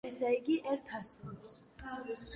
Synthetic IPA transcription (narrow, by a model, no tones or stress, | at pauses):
ɛsɛiɡiʔɛɾt̪ʰass